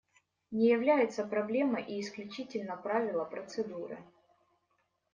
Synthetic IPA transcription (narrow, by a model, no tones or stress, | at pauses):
nʲɪjɪvlʲæjɪt̪səpɾɐblʲe̞məʔiːsklʲʉt͡ɕitʲɪlʲnəpɾavʲɪlˠəpɾət̪sɨd̪uɾɨ̰